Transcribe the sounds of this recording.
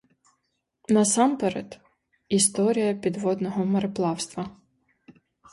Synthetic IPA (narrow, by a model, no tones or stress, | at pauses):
nɐsɑmpɛɾɛt̪ | ist̪ɔɾʲijɐpʲid̪ʋɔd̪nɔɦɔmɐɾɪplˠɑwst̪ʋɐ